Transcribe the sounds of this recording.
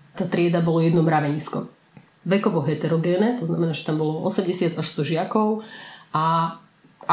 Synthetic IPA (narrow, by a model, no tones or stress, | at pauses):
t̪aːt̪ɾɪɛd̪abɔlɔjɛd̪nɔmɾaʋɛɲiːskɔ̰ | ʋɛkɔʋɔɦɛt̪ɛɾɔɡɛːnɛt̪ɔznamɛnaːʒɛ̥t̪ambɔlɔʔɔ̰sɛmɟɛsɪad̪aʃst̪ɔʒɪakɔʊa